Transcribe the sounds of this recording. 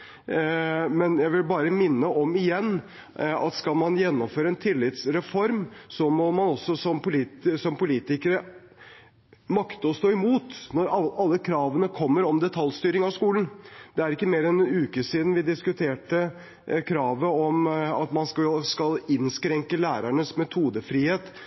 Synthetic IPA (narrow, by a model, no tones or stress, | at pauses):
mɛnjæɪʋɪlbɑːɾəmɪnːəʔɔmɪjɛnː | ɑ̰t̪skɑlmɑnjɛnːɔmføːɾəɛnt̪ʰɪlːɪt̪sɾɛfɔɾmsɔmɔmɑnɔsːɔsɔmpʊlisɔmpʊliːt̪ɪkəɾə | mɑkt̪əɔst̪oːɪmuːt̪nɔɾɑɑlːəkʰɾɑːʋənəkʰɔmːəɾɔmd̪ɛt̪ʰɑljst̪yːɾɪŋɑʋskuːlən̩d̪̥ɛæɾɪkːəmeːɾɛnʉːkəsiːd̪n̩ʋɪd̪ɪskʉt̪ʰeːʈə | kʰɾɑːʋəɔmɑt̪mɑnskɑskɑlɪnskɾɛŋkəlæːɾæɳəsmɛt̪ʰuːd̪əfɾiːheːt̪